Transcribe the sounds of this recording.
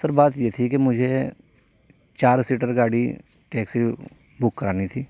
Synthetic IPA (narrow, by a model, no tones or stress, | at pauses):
səɾbaːt̪jeːt̪ʰikemʊd͡ʒʱe | t͡ʃaːɾsiːʈəɾɡaːɽi | ʈɛːksi | bʊkːəɾaːnit̪ʰiː